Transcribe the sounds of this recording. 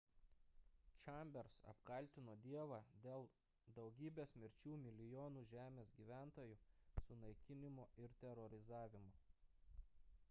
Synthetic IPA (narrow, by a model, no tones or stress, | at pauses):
t͡ʃʲɑˑmʲbʲɛɾsɐ̰pkɐˑlʲˑt̪ʲɪnoːd̪ʲiɛʋɑd̪ʲeːlˠ | d̪ɒʊɡʲiːbʲeːsmʲɪɾʲt͡ʃʲuːmʲɪlʲɪjoːnuːʒʲæːmʲeːsɡʲiːʋʲæˑnt̪oːjuːsʊnɐɪkʲɪnʲɪmoːɪɾt̪ʲɛɾɔɾʲɪzɑːʋʲɪmoː